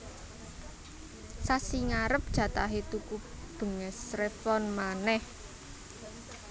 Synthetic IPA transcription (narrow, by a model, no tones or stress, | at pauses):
sasiŋaɾəp̚d̥ʒ̥ä̤t̪aɦet̪ukub̥ə̤ŋəsrefɔnmanɛh